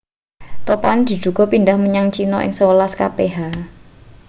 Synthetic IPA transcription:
t̪opand̪̥i̤d̪̥ṳɡ̥ɔ̤pindahməɲaŋt͡ʃinɔʔɪ̰ŋsəwolaska̰peɦa

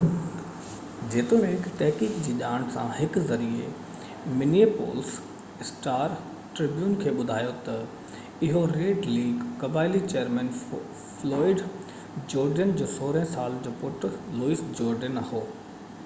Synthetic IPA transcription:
d͡ʑeːt̪ʊmẽɦɪkt̪ɛɦkiːkd͡ʑiːʄaːɽ̃sã̰hɪkzɐɾiḛ | mɪnieːpo̰ːls | ɪsʈaːɾ | ʈɾɪbjuːnkʰeːɓʊd̪ʱaːjot̪ɐ | ɪɦoɾeːɖliːɡkɐbaːɪlit͡ɕejəɾmɛ̃ːn | flɔːɪɖ | d͡ʑoːɾɖənd͡ʑoːsoːɾɦsaːld͡ʑoːpʊʈluːisd͡ʑɔːɾɖənɐhoː

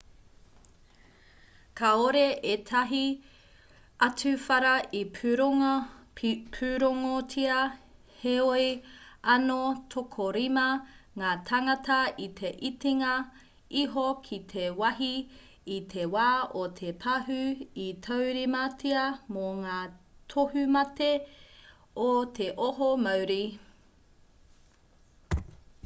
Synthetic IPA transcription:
kʰɐoɾeʔet̪ʰɐɦi | ɐtʉfɐɾɐʔipʰ | pʰʉɾoŋotʰiɐ | heojɐnotʰokʰoɾimɐŋaːt̪ʰɐŋɐtɐitʰe̞ʔitiŋɐ | iɦokʰit̪ʰewɐɦiː | t̪ʰewaːot̪ʰepʰɐɦʉitʰɐwɾimɐtʰiɐmoŋaːtʰohʉmɐte | ot̪ʰeʔoɦomɐwɾi

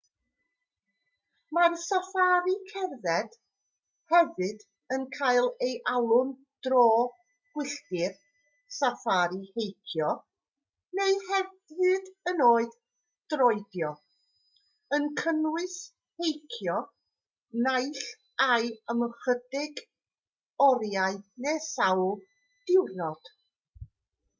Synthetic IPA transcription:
marsafaɾikʰɛrðɛd̥ | hɛvɨd | ənkʰajlˠejʔalˠʊn | d̥rɔː | ɡ̥wɪɬdɪr | safaɾihejkʰjɔ | nejhɛv | vɨdənoːɨð | d̥rɔɨdjɔ | ənkʰənwɨs | hejkʰjɔ | najɬ | ajəməχədɪɡ | ɔɾjaɨdnesawlˠ | d̥ɪwrnɔd̥

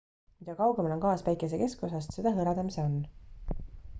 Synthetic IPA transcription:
mid̪̥ɑkɑwɡemɑlonkɑːspæjkˑes̬e̞ke̞sko̞sɑst̪se̞d̪̥ɑɦɤɾɑd̪ɑmiseonː

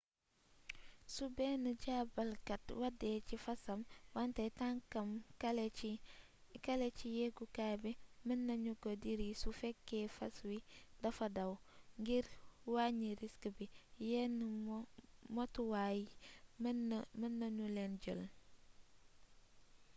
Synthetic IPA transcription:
subɛːnəɟaːbɐlkɐtwɐdɛːcifɐsɐmwantɐjtaŋkɐml | kɐlet͡ʃijɛɡukabimənːɐɲukodiɾisufɛkːɛfɐswidɐfɐdɐw | ŋɡiɾwaɲiɾiskəbijɛn | motuwajimnmənːɐɲulɛnɟə̰l

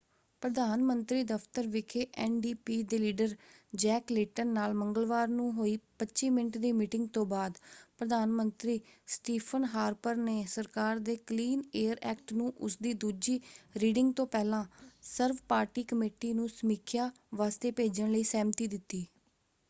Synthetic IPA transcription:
pɾəd̪aːnmənt̪ɾiːd̪əfʰt̪əɾʋɪkʰeːʔɛːnɖiːpiːd̪eːliːɖəɾd͡ʒɛːklɪːʈənːaːlməŋɡəlʋaːɾnũːɦoːiːpətːʃiːmɪnəʈd̪iːmiːʈɪŋɡ̚t̪õːbaːd̪pɾəd̪aːnmənt̪ɾiːsʈiːpʰənɦaːɾpəɾneːsəɾkaːɾd̪eːkliːneːəɾɛːk̚ʈnũːʔʊsd̪iːd̪uːd͡ʒiːɾiːɖɪŋɡt̪õːpɛːlãːsəɾʋpaːɾʈiːkəmeːʈiːnũːsəmiːkʰjaː | ʋaːst̪eːpeːd͡ʒəɳləiːsɛːmt̪iːd̪ɪt̪ːiː

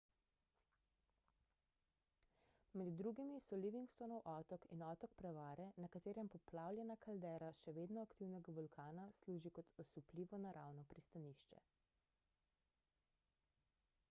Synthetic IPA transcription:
mɛd̪ːɾuːɡimisɔliʋiŋkst̪ɔnɔwʔɔːt̪ɔkḭnɔːt̪ɔkpɾɛʋaːɾɛnakat̪eːɾɛmpɔplawlʲjɛnakald̪ɛɾaʃɛʋeːd̪nɔakt̪iwnɛɡabɔlkʰaːnasluːʒikɔt̪ɔsupliːʋɔnaɾʔawnɔpɾist̪aniːʃt͡ʃɛ̰

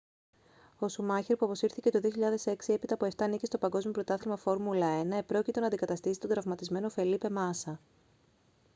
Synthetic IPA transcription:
o̞sumɐçeɾpuɐpo̞siɾθice̞t̪o̞ðio̞çiʎɐðe̞se̞ksie̞pit̪ɐpoe̞ft̪ɐːnicist̪o̞pɐŋɡo̞zmijo̞pɾo̞t̪ɐθilmɐfo̞ɾmulɐe̞nɐe̞pɾo̞cit̪e̞nɐnd̪ikɐt̪ɐst̪isi̥t̪o̞d̪ɾɐvmɐt̪izme̞nofe̞lipe̞mɐsɐ

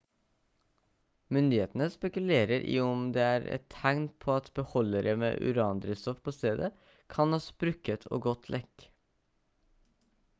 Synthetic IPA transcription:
mʏnd̪ɪeːt̪n̩əspɛkʉleːɾəɾʔḭːɔmd̪eːæːɾɛ̰t̪ʰhæɪnpʰoːɑt̪bəhɔləɾəmḛːʔʉ̰ɾɑːnd̪ɾəst̪ɔfpʰoːst̪eːd̪ə | kʰɑnɑsbɾʉkət̪ʰo̰ːɡɔt̪ʰlʔɛk

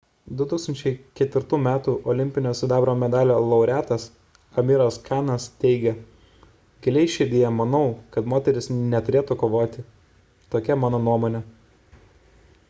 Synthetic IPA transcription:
d̪ʊt̪uːksɐnʲt͡ʃʲɛɪkʲɛt̪ʲʋʲɪɾt̪uːmʲæːt̪uːʔɔlʲɪmʲpʲɪnʲoːsʲʊd̪ɑːbɾoːmʲɛd̪ɑːlʲoːlˠɐʊɾʲæːt̪ɐs | ɐmʲiɾɐskʰɑːnɐst̪ʲɛɪɡʲɛ | ɡʲɛlʲɛɪʃʲed̪ʲɪjɛmɐnɒʊkɐt̪moːt̪ʲɛɾʲɪsnʲɛt̪ʊɾʲeːt̪ukoːʋoːt̪ʲɪ | t̪oːkʲɛmɑːnoːnuɔmoːnʲɛ

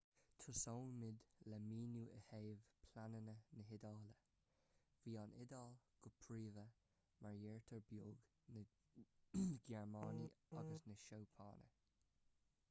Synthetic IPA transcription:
t̪ʰʊsoːnmɪd̪lɛmiːnjuːʔə̰heːvpʰlanənənəɦɪd̪ɑːlə | viːanɪd̪alɡ̥ʊpʰɹiːvə | maɹjɛːɹt̪ʰəɹbjoːɡ | nə | ɡɛɹmɑːniaɡəsnəʃowpʰɑ̰ːnə̰

